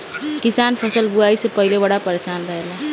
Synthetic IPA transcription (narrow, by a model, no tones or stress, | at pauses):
kisanpʰəsəlbuaisepəɦilebəɽapəɾesanɾəɦela